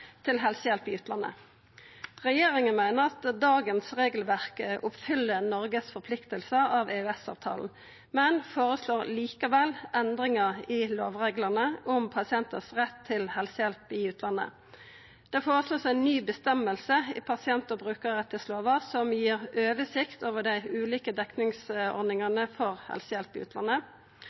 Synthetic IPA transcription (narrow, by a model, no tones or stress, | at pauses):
t̪ʰɪlɦɛlsəjɛlpɪʉːt̪lɑnːə̰ | ʁɛjeːʁɪŋənmæɪnəʁɑt̪d̪ɑːɡənsʁeːɡəlʋæʁkəʔʊpfʏlːənɔʁɡəsfɔʁpʰlɪkt̪əlsəɑʋeʉɛsɑ̰ːʋt̪ʰɑ̰ːln̩ | mɛnfoːʁəsloːʁliːkɑʋɛlʔɛnd̪ʁɪŋəʁɪloːʋʁeːɡləʁnəʔʊmpʰɑsɪɛnt̪əsʁɛt̪ʰːɪlhɛlsəjɛlpɪʉːt̪ʰlɑnə̰ | d̪̥ɛfoːʁəsloːsænnːyːbəst̪ɛməlsəɪpʰɑsɪɛnt̪ɔbʁʉːkəʁʁɛt̪ːəsloːʋəʁsɔmjiːʁøːʋəsɪkt̪oːʋəd̪æɪʉːliːkəd̪ɛknɪŋsɔ̰ɾd̪nɪŋɑnəfɔʁhɛ̰lsəjɛlpɪʉːt̪ʰlɑ̰nə